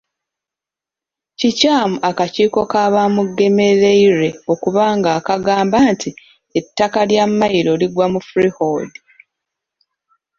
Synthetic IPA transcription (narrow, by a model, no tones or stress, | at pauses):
cicaːmuʔakaciːko̞kaːβamuɡːe̞me̞ɾe̞iɾe̞o̞kuβaːŋɡaːkaɡaːmbaːntʰi | etːakaljamːajiɾo̞liɡwamufuɾihoːdi